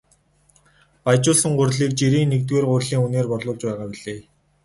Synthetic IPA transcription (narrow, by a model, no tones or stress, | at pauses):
pajt͡ɕʊːɮsə̆ŋɢʊrɮiːk̚t͡ɕiɾiːnːekt̪weːrɢʊrɮiːŋuneːrpɔrɮʊːɮt͡ɕpæːʁaːpiɮeː